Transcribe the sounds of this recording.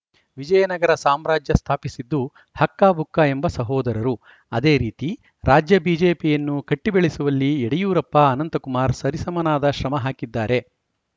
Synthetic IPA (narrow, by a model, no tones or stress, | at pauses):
ʋid͡ʒɐjɐnɐɡɐɾɐsaːmɾaːd͡ʒjɐst̪ʰaːpisid̪ːu | hɐkːaːbʱukːɐe̞mbɐsɐɦɔːd̪ɐɾɐɾu | ɐd̪e̞ːɾiːt̪i | ɾaːd͡ʒjɐbiːd͡ʒeːpijɐnːukɐʈːibeɭisuʋɐlːieɽijuːɾɐpːɐɐnɐnt̪ɐkumaːɾsɐɾisɐmɐnaːd̪ɐʃɾɐmɐɦaːkid̪ːaːɾe̞